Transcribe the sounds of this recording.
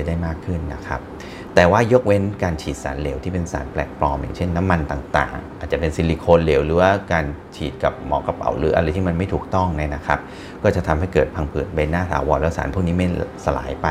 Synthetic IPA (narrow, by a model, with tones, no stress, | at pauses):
daː˥˩jmaː˥˩kʰːɯ˥˩nːa̰˦˥kʰa˦˥p̚ | t̪ɛː˨˩waː˥˩jo˦˥k̚we˦˥nkaː˧nt͡ɕʰiː˨˩t̪̚saː˩˦nle˩˦wt̪ʰiː˥˩pe˧nsa̰ː˩˦nplɛː˨˩k̚pɾɔː˧mja̰ː˨˩ŋt͡ɕʰe˥˩nːa˦˥mːa˧nt̪aː˨˩ŋt̪a̰ː˨˩ŋʔa˨˩t͡ɕa˨˩pe˧nsi˧li˧kʰoː˧nleː˩˦wlɯː˩˦waː˥˩kaː˧nt͡ɕʰiː˨˩t̪̚ka˨˩p̚mɔ̰ː˩˦ka˧pa̰˨˩˦wɾɯ̰ː˩˦ʔa˧ɾa˧jt̪ʰiː˥˩ma˧nma˥˩jt̪ʰuː˨˩k̚t̪ɔ˥˩ŋna˦˥na˦˥kʰa˦˥p̚ | kɔː˥˩t͡ɕa˨˩t̪ʰa˧mhɦa˥˩jkɤː˨˩t̪̚pʰaː˧ŋpʰɯː˨˩t̪̚ba˧naː˥˩t̪ʰa̰ː˩˦wɔː˧nlɛː˦˥wsaː˩˦npʰu˥˩k̚niː˦˥ma˥˩jsa˧la̰ː˩˦jpa˧